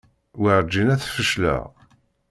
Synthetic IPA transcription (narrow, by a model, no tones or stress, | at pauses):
wəɾˤd͡ʒːinæθfəʃlæ̰